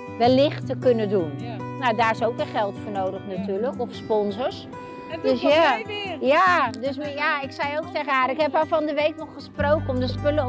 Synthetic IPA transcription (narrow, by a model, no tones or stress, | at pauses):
ʋɛlːɪxtəkønədunnawdaːɹɪsowkəχɛlˠtfoːnoːdəxnatyːləkɔfspɔnzəɹs | døsjajadøsjaɪksɛjowk̚tɛɣaːrɪkhɛpafɔndəʋejknɔχːəsprowkəɔmdəspølə